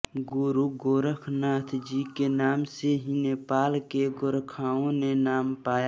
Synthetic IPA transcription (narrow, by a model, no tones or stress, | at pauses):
ɡʊɾuɡoːɾəkʰnaːt̪ʰd͡ʒikenaːmseɦineːpaːlkeɡoɾkʰaːõnenaːmpaːja